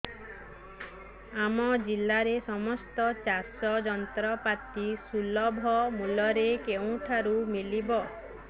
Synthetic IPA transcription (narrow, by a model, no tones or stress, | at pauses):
amɔd͡ʒilːaɾesɔmɔst̪ɔt͡ʃaɾsɔd͡ʒɔnt̪ɾɔpat̪isulɔbʱɔmulɔɾekeũʈʰaɾumilibɔ